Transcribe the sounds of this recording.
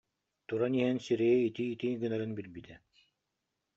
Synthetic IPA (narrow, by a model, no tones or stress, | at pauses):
t̪uɾaniɦɛnsiɾɛjɛit̪iːt̪iɡɯnaɾɯnbilbit̪ɛ